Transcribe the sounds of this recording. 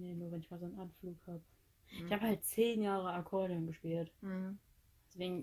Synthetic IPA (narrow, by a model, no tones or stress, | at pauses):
neːnuːɐvɛnɪçmaːlzoːnʔanfluːkhaːbə | ɪçhaːbəhalt̚t͡seːnjaːʁəakʰɔɐdiʊnɡəʃpiːlt | d̥ɛsv̥eːɡŋ̩